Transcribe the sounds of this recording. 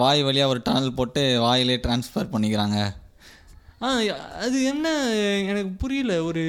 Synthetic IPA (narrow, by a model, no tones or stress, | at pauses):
ʋaːjʋɐɭɪjaːɔɾɯʈɐnɐlpoːʈːɯʋaːjɪleːʈɾaːnsfɐɾpɐɳːɪkːɪɾaːŋɡɐ | aːɐðɯɛnːɐɛnɐkːɯpʊɾɪjɪlɐɔɾɯ